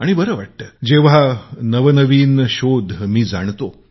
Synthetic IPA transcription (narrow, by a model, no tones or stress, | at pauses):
aɽ̃ibəɾəʋaʈːəd͡ʑeʋ̤anəʋənəʋiːnɕod̪ʱmiːd͡za̰ɳt̪o